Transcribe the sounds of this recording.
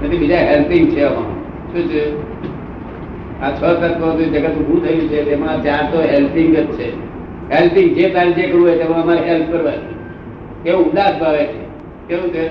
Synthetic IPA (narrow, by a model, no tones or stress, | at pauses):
nət̪ʰibid͡ʒaɦelpɪŋɡ̚t͡ʃʰeəmã̰ | ʃũːt͡ʃʰe | at͡ʃʰɔkət̪̚kət̪uĩd͡ʒəɡat̪ũɦũt̪ʰəjũt͡ʃʰet̪emãt͡ʃaɾt̪oɦelp̪ɪŋɡətt͡ʃʰe | ɦelp̪ɪŋɡ̚d͡ʒet̪aɾid͡ʒekəɾũet̪emãəmaɾiɦelp̚ʰkəɾʋat͡ʃʰe | keũũnd̪asbʱaʋet͡ʃʰe | k̪eʋũt͡ʃʰe